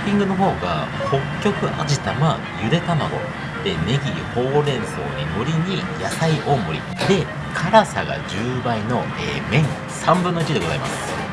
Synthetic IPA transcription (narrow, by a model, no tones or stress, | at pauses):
pʲĩŋɡɯ̟no̞ɦo̞ːɡa̰ho̞kʲːo̞kɯ̟ʔa̰d͡ʑit̪ama | jɯ̟ɾe̞t̪ama̰ɡ̪o̞̰ | d̪̥e̞ne̞ɡʲiho̞ːɾẽ̞ɰ̃so̞̰ːɲ̟ino̞ɾʲiɲ̟ijasaiʔo̞ːmo̞ɾʲḭ | d̪e̞ | kʰaɾasa̰ɡa̰d͡ʑɨːbaino̞ | eːmẽ̞ŋ | sãmbɯ̟nːoɯ̟t͡ɕid̪eɡo̞zaima̰s